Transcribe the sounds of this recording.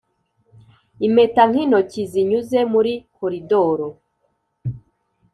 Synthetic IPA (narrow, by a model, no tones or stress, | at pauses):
ime̞taŋ̥hinociziɲuze̞muɾikoɾidoɾo